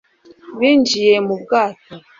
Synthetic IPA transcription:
βind͡ʒijɛmub̚ɡato

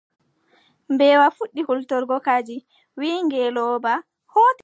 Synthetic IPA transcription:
mbɛwafuɗːihultɔɾɡɔkad͡ʒi | wiːŋɡɛlɔba | hot

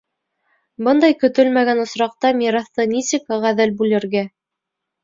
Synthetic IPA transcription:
bɤnd̪ɑjkɵ̆t̪ɵlmæɡænŏsɾɑq̚t̪ɑmʲiɾɑθt̪ɤnisɘkʁæðɘlbʉlɘ̆ɾɡæ

